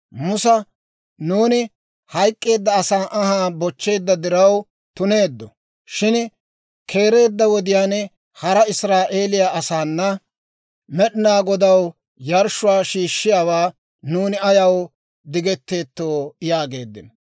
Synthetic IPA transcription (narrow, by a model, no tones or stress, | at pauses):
mʊsɐ | nuːnɪ | hɐjkʼːe̞ːd̪ːɐːsaːʔɐhaːbɔt͡ʃːe̞ːd̪ːɐd̪ɪɾɐw | t̪ʊne̞ːd̪ːɔ | ʃɪn | kʰe̞ːɾe̞ːd̪ːɐwɔd̪ɪjaːnɛ | hɐɾɐɪsɾaːʔe̞ːlɪjaːʔɐsaːnːɐ | mɛɗɪnaːɡɔd̪ɐw | jɐɾʃʊwaːʃiːʃːɪjaːwaː | nuːnɪɐjɐw | d̪ɪɡɛt̪ːe̞ːt̪ːoːjaːɡe̞̰ːd̪ːɪn